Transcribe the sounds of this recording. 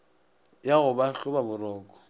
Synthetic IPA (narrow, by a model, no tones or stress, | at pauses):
jaɣʊbaɬʊbabʊrɔːkʼɔ̥